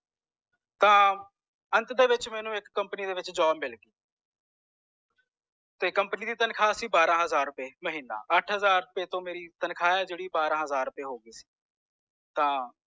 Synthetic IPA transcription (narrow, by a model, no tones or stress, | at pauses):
t̪ãː | ənt̪d̪eːʋɪt͡ʃmɛːnũːɪkːəmpniːd̪eːʋɪt͡ʃd͡ʒaːbmɪlɡiː | t̪eːkəmpniːd̪iːt̪ənkʰaːsiːbaːɾãːɦəzaːɾʊpeːməɦiːnːa̰ːʔəʈʰɦəzaːɾʊpeːt̪õːmeːɾiːt̪ənkʰaːɛːd͡ʒeːɽiːbaːɾãːɦəzaːɾːʊpeːɦoːɡiːsi̥ː | t̪ãː